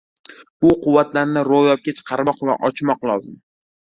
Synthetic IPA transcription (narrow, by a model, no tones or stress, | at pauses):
b̥ʊqʰʊwːat̪laɾnɪɾojɒp̚kʲat͡ʃʰɨ̥qʰɑɾmɒqva̰ʔɒt͡ʃmɒqlˠɒzɪm